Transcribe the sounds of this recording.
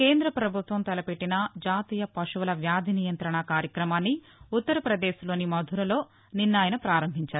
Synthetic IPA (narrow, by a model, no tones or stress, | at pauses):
keːnd̪ɾɐpɾɐbʱut̪ʋɐmt̪ɐlɐpeʈːinɐd͡ʒaːt̪iːjɐpɐʂuʋɐlɐʋjaːd̪ʱinijɐnt̪ɾɐɳɐkaːɾjɐkɾɐmaːnːi | ut̪ːɐɾɐpɾɐd̪eːʃlo̞ːnimɐd̪ʱuɾɐlo̞ː | ninːaːjɐnɐpɾaːɾɐmbʱiɲt͡ʃaːɾu